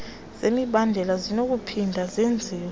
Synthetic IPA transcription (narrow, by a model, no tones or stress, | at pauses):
z̥emiɓandʱɛlazinok̬upʰindʱazend͡zʱiwɔ